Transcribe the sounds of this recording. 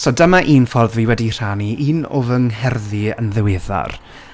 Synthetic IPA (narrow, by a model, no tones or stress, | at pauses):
sɔdəmaʔiːnfɔrðviːwɛdir̥aniʔiːnovəŋɦɛrðiənðəwɪða̰r